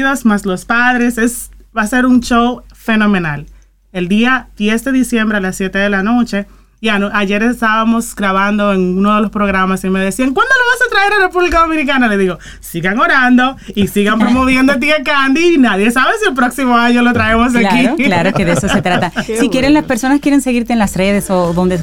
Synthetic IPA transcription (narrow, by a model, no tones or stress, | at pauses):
ðosmaslo̞spaðɾe̞se̞sβase̞ɾunt͡ʃowfe̞no̞mẽnal | e̞ld̪iad̪je̞sd̪e̞ðisje̞mbɾe̞alasːje̞t̪e̞ðe̞lano̞t͡ʃe̞ | ianaʝe̞ɾest̪aβamo̞sɡɾaβand̪o̞eŋunoð̞e̞lo̞spɾo̞ɣɾamasime̞ðe̞siaŋkwand̪o̞loβasat̪ɾae̞ɾare̞puβlikað̞o̞minikanaleðiɣo̞ | siɣaŋoɾand̪o̞isiɣampɾomo̞βje̞nd̪ot̪̬iekand̪iːnaðje̞saβe̞sie̞lp̬ɾo̞ksimo̞aɲo̞lot̪ɾae̞mos̬akilaɾokeðeesoset̪ɾat̪asikjeɾenlaspe̞ɾso̞naskjeɾe̞nse̞ɣiɾt̪eːnlasre̞ðesoðond̪e